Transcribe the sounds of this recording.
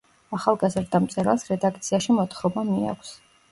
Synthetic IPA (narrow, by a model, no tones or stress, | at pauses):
aχalˠɡazɾd̪amt̪sʼɛɾalˠsɾɛd̪ak̚ʰt̪sʰiaʃimɔt̪χɾɔbamia̰kʷʰs